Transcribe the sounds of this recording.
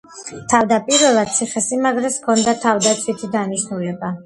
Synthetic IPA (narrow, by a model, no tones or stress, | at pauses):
t̪ʰavd̪apʼiɾvɛlˠad̪̚t̪sʰiχɛsimaɡɾɛskʰɔnd̪at̪ʰavd̪at̪sʰwit̪ʰid̪aniʃnulɛba